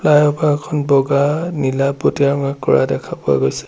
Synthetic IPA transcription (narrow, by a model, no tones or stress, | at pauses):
plajɔpaɛkʰɔnbɔɡanilapːotijaŋakkːɔ̰ɹa̰dɛkʰapʊa̰ɡojsɛ̥